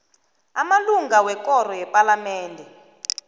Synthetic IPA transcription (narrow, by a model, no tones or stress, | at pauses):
amaluŋɡawɛkɔɾɔjɛpʼalamɛːndʱɛ